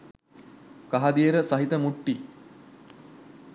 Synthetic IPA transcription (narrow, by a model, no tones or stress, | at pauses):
kaɦad̪ijəɾəsɐɦit̪əmuʈːi